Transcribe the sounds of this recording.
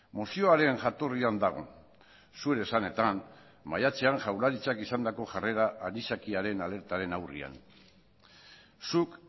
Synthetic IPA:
mosio̞aɾe̞ŋʝat̪o̞riand̪aɣ̞o̞̰ | sueɾe̞sane̞t̪an | majat͡se̞aŋʝawɾaɾit͡sakisand̪ako̞ʝare̞ɾaʔːɾisakiaɾe̞nale̞ɾt̪aɾe̞nawrḭa̰n | suk

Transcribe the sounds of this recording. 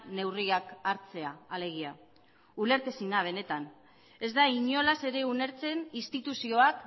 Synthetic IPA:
ne̞wriakaɾt͡se̞aːle̞ɣ̞ia | ule̞ɾt̪esinaβ̞e̞ne̞t̪an | e̞zd̪aiɲo̞lase̞ɾe̞une̞ɾt͡se̞ninst̪it̪usio̞ak

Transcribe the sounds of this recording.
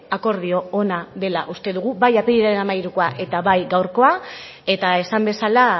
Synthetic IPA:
ako̞ɾðio̞onaðe̞laʔust̪e̞ðuɣ̞ubajapeʎiɾeenamajɾukoaʔe̞t̪aβajɡawɾko̞a | e̞t̪ae̞sambe̞sala

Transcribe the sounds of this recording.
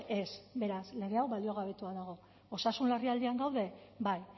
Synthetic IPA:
e̞sbe̞ɾasle̞ɣ̞e̞awβalio̞ɣ̞aβ̞e̞t̪uaðaɣ̞o̞ | osasunlariald̪iaŋɡawðe̞baj

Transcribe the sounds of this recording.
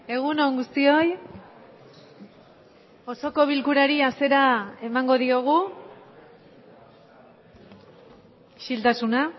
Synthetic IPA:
e̞ɣunoŋɡust̪io̞j | o̞so̞ko̞β̞ilkuɾaɾiase̞ɾae̞maŋɡo̞ðio̞ɣ̞u | ʃilt̪asuna

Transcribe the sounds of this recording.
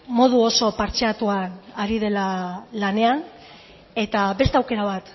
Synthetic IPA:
mo̞ð̞uo̞so̞paɾt͡ʃeat̪uanaɾið̞e̞lalane̞an | e̞t̪abe̞st̪eawke̞ɾaβ̞at̪

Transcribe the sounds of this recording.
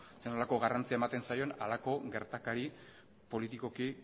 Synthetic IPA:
seno̞lako̞ɣarant͡siaemat̪e̞nsajo̞nalako̞ɡe̞ɾt̪akaɾi | po̞lit̪iko̞ki

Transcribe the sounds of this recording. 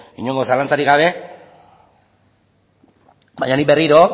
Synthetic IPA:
iɲo̞ŋɡo̞salant͡saɾiɣɡaβ̞e̞ | bajɲaniberiɾo̞

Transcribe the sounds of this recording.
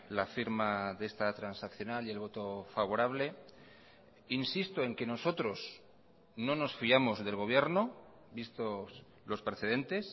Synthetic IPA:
lafiɾmaðest̪at̪ɾansakθjo̞nalie̞lβ̞o̞t̪o̞faβo̞ɾaβle̞ | insist̪oe̞ŋke̞no̞so̞t̪ɾo̞s | no̞no̞sfiamozðe̞lɣ̞o̞β̞je̞ɾno | bist̪o̞s | lo̞spɾeθe̞ð̞e̞nt̪e̞s

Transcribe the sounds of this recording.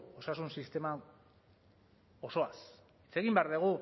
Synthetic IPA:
o̞sasunsist̪e̞ma | o̞so̞as | it͡se̞ɣimbeaɾðeɣ̞u

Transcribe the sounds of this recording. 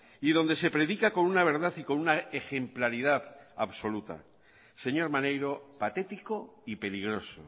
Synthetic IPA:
ið̞o̞nd̪ese̞pɾe̞ðikako̞nunaβ̞e̞ɾðaθiko̞nunaexe̞mplaɾið̞aθaβso̞lut̪a̰ | se̞ɲo̞ɾmane̞jɾo̞pat̪e̞t̪iko̞ipe̞liɣ̞ɾo̞so̰

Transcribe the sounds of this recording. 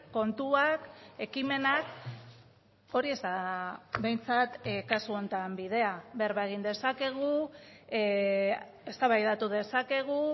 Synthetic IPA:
ko̞nt̪uake̞kime̞nak | o̞ɾie̞zt̪aβe̞jnt͡sat̪kasuo̞nt̪ambið̞e̞aβeɾβaeɣ̞ind̪e̞sake̞ɣ̞u | e̞st̪aβajðat̪uð̞e̞sake̞ɣ̞u

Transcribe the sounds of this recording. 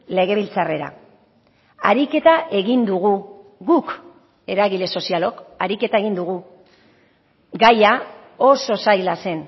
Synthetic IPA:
le̞ɣe̞β̞ilt͡sare̞ɾa̰ | a̰ɾike̞t̪aʔe̞ɣind̪uɣ̞uɣuk | e̞ɾaɣile̞so̞sialo̞kaɾike̞t̪aeɣind̪uɣu | ɡaja | o̞so̞sajlase̞n

